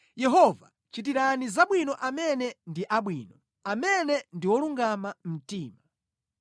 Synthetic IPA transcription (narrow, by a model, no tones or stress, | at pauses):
jɛɦɔva̰ | t͡ʃit̬iɾanizaɓwinɔʔamɛnɛndiʔaɓwiːnɔ | amɛnɛndiwɔluŋɡamam̩tiːma